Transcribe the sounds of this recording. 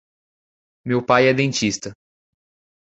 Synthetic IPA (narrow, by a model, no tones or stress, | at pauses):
mewpajɛd̪ẽt͡ʃist̪ɐ